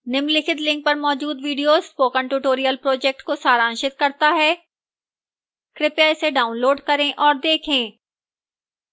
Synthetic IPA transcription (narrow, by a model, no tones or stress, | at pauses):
nɪmlɪkʰɪt̪lɪ̃ŋk̚pɐɾmɔːd͡ʒuːd̪ʋiːɖijoːz̥poːkə̃ɳʈuʈoːɾijəlpɾoːd͡ʒɛk̚ʈkosaːɾãːnʃɪt̪̚kɐɾt̪aɦɛː | kɾɪpjaɪseɖaːʊ̃nloːɖkɐɾẽʔɔːɾd̪eːkʰẽː